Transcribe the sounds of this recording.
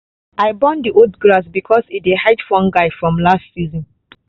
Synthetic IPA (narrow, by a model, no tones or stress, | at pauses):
ʔaɪbɔ̃ndiʔodɡɹasbikʰɔsidehaɪtfɔ̃nɡaɪfɹɔ̃mlastsizɔ̃n